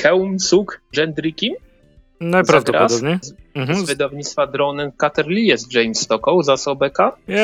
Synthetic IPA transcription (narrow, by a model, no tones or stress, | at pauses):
xɛwmsukʐɛnd̪ɾikʲim | najzpɾavd̪ɔɾaɔsd̪ɔbɲɛm̩ɦ̩vɘd̪avɲit̪st̪fad̪ɾɔnɛnkat̪ɛɾlʲijɛst̪ʐɛjmst̪ɔkɔwzasɔbɛka